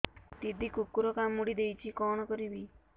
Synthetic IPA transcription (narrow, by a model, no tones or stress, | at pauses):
t̪id̪ʱikukːuɾɔkamːuɽid̪ejt͡ʃʰikɔɽ̃ɔkɔɾibi